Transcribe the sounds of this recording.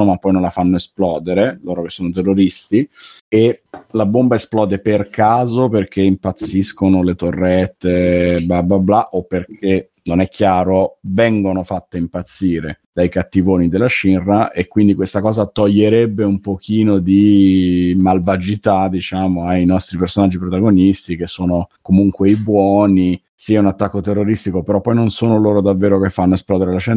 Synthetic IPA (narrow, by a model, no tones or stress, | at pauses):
omapːɔjnõnlafanːoesplɔːd̪eɾeloːɾokesːoːnot̪erːoɾist̪ielabombaesplɔːd̪eperkʰaːzoperk̟eimpat̪sːiskonolet̪orːɛt̪ːebablablaʔopːerkʰe | nonɛk̟ːjaːɾovɛŋɡonofat̪ːeimpat̪sːiːɾed̪̥ajkat̪ːivoːnid̪elːat͡ʃinraʔekːwind̪ikwest̪akɔːzat̪oʎːeɾɛbːeumpok̟iːnod̪i | malvad͡ʒit̪ad̪it͡ʃaːmoajnɔst̪ɾipersonad͡ʒːipɾot̪aɡonist̪ik̟esːoːnokomuŋkweibwɔːni | siːaunat̪ːakːot̪erːoɾist̪ikopeɾɔpːɔjnonsoːnoloːɾod̪avːeːɾokefːanːoesplɔːd̪eɾelaʃɛn